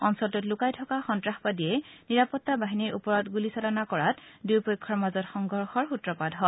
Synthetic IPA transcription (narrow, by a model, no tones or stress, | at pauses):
ɔnsɔltʊtlʊkajtʰɔkaxɔntɹaxbadijɛniɹapɔtːabaɦiniɹupɔɹɔtɡulisɔlanakɔɹatdujpojkʰːɔɹmazɔtxɔŋɡʱɔɹxɔɹxutɹɔpadɦɔ